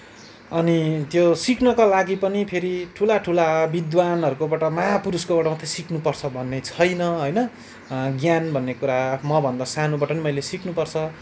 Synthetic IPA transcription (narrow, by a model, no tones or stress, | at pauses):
ʌnit̪josiknʌkʌlaɡipʌnipʰeɾiʈʰulaʈʰulabid̪wanʌɾukobaʈʌmaapuɾuskobaʈʌmʌt̪ʰːesiknupʌrt͡sʰʌbʱʌnːet͡sʰʌjnʌɦʌjnʌ | ɡjanbʱʌnːekuɾamʌbʱʌnd̪ʌsanobaʈʌnimʌjlesiknupʌrt͡sʰʌ